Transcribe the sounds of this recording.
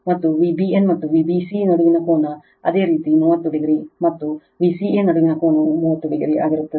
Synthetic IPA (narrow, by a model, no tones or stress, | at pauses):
mɐt̪ːuʋiːbienmɐt̪ːuʋiːbiːsinɐɽuʋinɐkoːnɐ | ɐ̰d̪e̞ːɾiːt̪imuːʋɐt̪ːuɽiɡɐɾimɐt̪ːu | ʋiːsieːnɐɽuʋinɐkoːnɐmuːʋɐt̪ːuɽiɡɐɾiʔa̰ːɡiɾut̪ːɐd̪e